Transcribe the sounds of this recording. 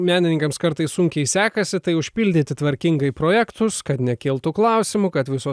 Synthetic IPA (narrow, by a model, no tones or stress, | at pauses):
mʲæːnʲɪnʲɪŋkɐmskɐɾt̪ɐɪssʊŋʲkʲɛɪsʲæːkɐsʲɪt̪ɐɪʊʃʲpʲɪlʲd̪ʲɪt̪ʲɪt̪ʋɐɾʲkʲɪŋɡɐɪpɾoːjɛkt̪ʊskɐt̪nʲɛkʲɪːlˠt̪ʊklˠɐʊsʲɪmʊkɐt̪ʋʲɪsoː